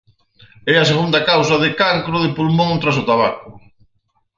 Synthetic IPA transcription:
ɛas̬eɣund̪akawsɐðɪkaŋkɾʊðɪpulmõŋt̪ɾas̬ʊt̪aβakʊ

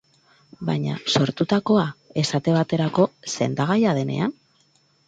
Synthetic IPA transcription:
baɲa̰so̞ɾt̪ut̪ako̞ae̞sat̪e̞β̞at̪e̞ɾako̞se̞nd̪aɣ̞ajaðe̞ne̞̰an

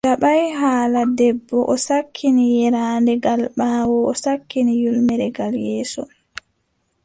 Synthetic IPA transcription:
daɓajɦaːladɛbːɔʔɔsakʰːinijɛɾaːndɛɡalɓaːwɔɔsakːinijulmɛɾɛɡaljɛːsɔ̰

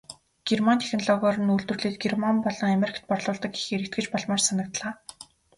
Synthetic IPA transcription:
ɡ̥ermant̪ʰe̥xnɮɔɣɔrə̆nuɮt̪ɵrɮiːt̪̚ɡermampɔɮɞ̆ŋameɾikʰt̪̚pɔrɮʊːɮt̪ə̆ki̥xeɾɘ̆k̚t̪̚ɡɘ̆t͡ɕpɔɮmɔːrsanə̆k̚t̪ɮaː

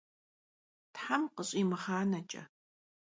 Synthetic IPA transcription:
tħamqəɕʼiːmɨχaːnɐt͡ʃʼɐ̰

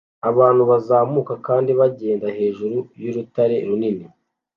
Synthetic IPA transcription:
aβaːn̥huβazaːmuːkakaːndiβaɟe̞ːndaɦe̞ːʒuɾujuɾutaɾe̞ɾunini

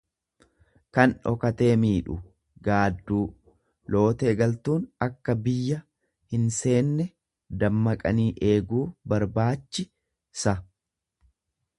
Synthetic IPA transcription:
kɐnɔ̰kɐt̪e̞ːmiːᶑʊ | ɡaːd̪ːuː | lo̞ːt̪e̞ːɡɐlt̪uːnɐkːɐbɪjːɐ | hɪnse̞ːnːɛ | d̪ɐmːɐkʼɐniːʔe̞ːɡuːbɐɾbaːt͡ʃːɪ | sɐ

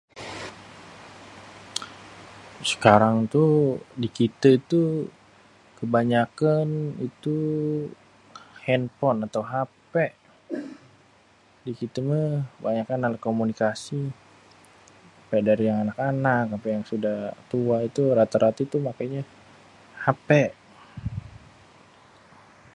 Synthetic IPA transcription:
sə̥kaɾaŋt̪udikit̪əit̪u | kəbaɲakanit̪u | hɛnpɔnat̪awɦapɛʔ | dikit̪əməkəbaɲakanalakomunikasi | pɛdaɾijaŋanakanakapɛjaŋsudaht̪uait̪uɾat̪aɾat̪it̪umakajɲa | hapɛʔ

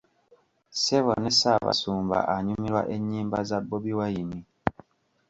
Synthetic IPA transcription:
seβo̰nesaβa̰suːmba̰ʔaɲumiɾwa̰ʔeɲːiːmbazabːoβiwajimi

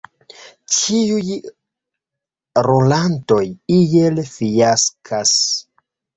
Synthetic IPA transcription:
t͡ʃiuj | ɾolanto̞jijelfijaskʰas

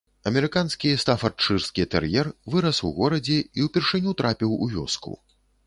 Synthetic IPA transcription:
ɐmʲɛɾɨkanskʲist̪afɐrt͡ʂːɨrskʲit̪ɛ̰rjɛrvɨɾɐswɣɔɾɐd͡zʲɛiwpʲɛrʂɨnʲut̪ɾʔapʲiwṵvʲɔ̰skṵ

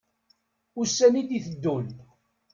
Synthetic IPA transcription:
ʊsːænid̪iθəd̪ːul

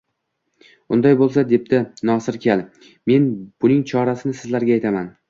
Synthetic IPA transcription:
ʊnd̪ajbolˠs̬ad̪e̞p̚d̪ɪnɒsɪɾkʲʰalˠ | me̞nb̥ʊnɪŋt͡ʃʰɒɾasɪnɪsɪzlaɾɡʲaːjt̪ʰaman

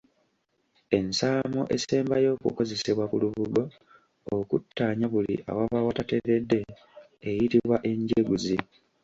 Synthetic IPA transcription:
e̞nsaːmo̰ʔe̞̰seːmbajo̞ːkṵko̞ze̞seβwakuluβuɡo̞ː | kutːaːɲaβulḭʔa̰waβawatateɾedːe̞ː | jitiβwaʔe̞ɲɟeɡuzi

